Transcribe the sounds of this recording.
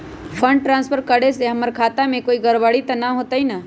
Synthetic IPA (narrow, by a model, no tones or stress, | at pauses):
pʰə̃ɳɖ̚ʈɾãːnspʰəɾkəɽeseɦəməɾkʰaːt̪amẽkoːiɡəɾbəɽit̪ɐnaɦot̪əina